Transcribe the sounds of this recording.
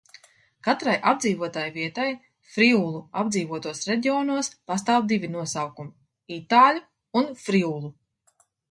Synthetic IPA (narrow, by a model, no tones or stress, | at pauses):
kat̪ɾajʔabd̪ziːvuɔt̪aːjviɛt̪aj | fɾiuːlˠuabd̪ziːvuɔt̪uɔsɾeɟ̪ʲiɔːnuɔspast̪aːwd̪ivʲinuɔsawkumi | it̪aːlʲu | unfɾiuːlˠu